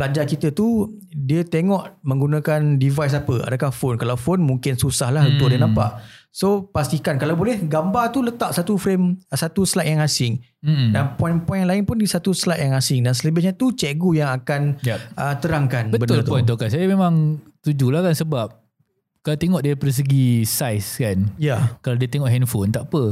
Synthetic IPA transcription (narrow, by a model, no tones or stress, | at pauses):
pəlad͡ʒakit̪ət̪udiət̪eŋɔʔmə̃ŋɡunakandivajs̬apəa̰dakahfonkalawfonmũŋkɪnsusahlahənt̪udənãmpaʔsopast̪ikankalawbolɛhɡambat̪ulət̪aʔsat̪ufɾemsat̪uslaʔjaŋasɪŋ̩ | danpɔjnpɔjnŋlaɪnpʊndisat̪uslaʔ̪jaŋasɪŋdansələbɪhɲat̪ut͡ʃɛʔɡujaŋakanjaʔət̪əɾaŋkanbətbət̪ʊlt̪pɔnt̪okansajamemãŋt̪ud͡ʒulahkansəbap̚ | kalawt̪eŋɔʔdiɾipadas̬əɡisajskanjakalawdiat̪eŋɔʔɦɛnfont̪aʔpə